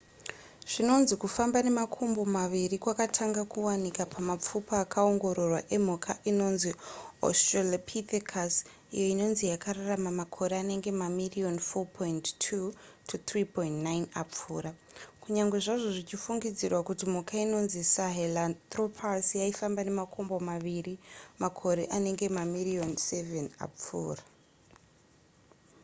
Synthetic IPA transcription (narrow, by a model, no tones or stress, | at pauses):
ʐ̥ino̞nzikufambane̞makʰombo̞maʋirikwakatʰaŋɡakuwanikapʰamap͡fupaaːkao̞ŋɡo̞ɾo̞rwaʔe̞m̤ukʰaʔino̞nzio̰strelapʰit̪ekʰas | ḭjo̞ino̞nzijakararamamakʰo̞ɾeane̞ŋɡe̞mamirio̞nfopʰointtʰutʰut̪ripointnajnap͡fuːɾa | kuɲaŋɡwe̞ʐaʐo̞ʐit͡ʃifuŋɡid͡zirwakutimukaino̞nzisaɦelant̪ropʰasijaifambane̞makʰo̞mbo̞maʋirimakʰo̞ɾe̞ʔane̞ŋɡe̞mamirionsevena̰p͡fṵːra